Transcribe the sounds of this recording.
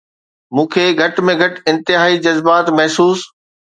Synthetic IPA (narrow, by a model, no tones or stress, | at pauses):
mũːkʰeːɡʱɐʈmẽɡʱɐʈɪ̃nt̪ɪɦaːid͡ʑɐzbaːt̪mɐɦsuːs